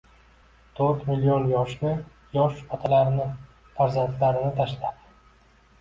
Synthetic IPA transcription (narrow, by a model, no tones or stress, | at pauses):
t̪ʰoɾt̪milijonjɒʃnɪ | jɒʃat̪ʰalaɾnɪ | faɾzant̪laɾɪnɪt̪ʰaʃlap̚